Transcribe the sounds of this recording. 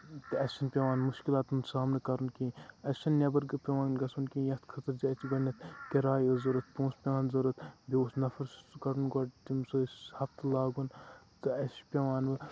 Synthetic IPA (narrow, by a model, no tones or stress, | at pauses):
t̪ɨɐsʲɐnpʲeʋaːnmuʃkilaːt̪unsaːmnɐkɐɾunkiɐʃɐnːʲɐbɐɾɡɨpʲeʋaːnɡɐsunkĩːjɐst̪kʰɐt̪ɐɾd͡ʒiɐt͡ʃiɡɐnʲːɐt̪kʲɐɾaːjɨzɐɾɨt̪̚pũːspʲewaːnzɐɾɨt̪bʲioːsnɐfɐɾskɐɾunɡoʈt̪imsoshɐft̪ɨlaːɡun | t̪ɨɐsi̥pʲeʋaːnʋɨ